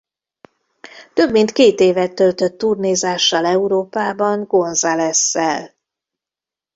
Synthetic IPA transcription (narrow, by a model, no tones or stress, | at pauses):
t̪ø̞bmint̪keːt̪eːvɛt̪ːølt̪øt̪ːurneːzaːʃːɒlɛuɾoːpaːbɒŋɡo̞nzalɛsːɛ̰l